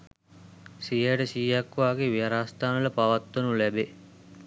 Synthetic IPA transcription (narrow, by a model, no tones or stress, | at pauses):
sijəʈəsiːjakːʋaːɡeʋijaɾaːst̪aːnələpaʋat̪ːonulæbe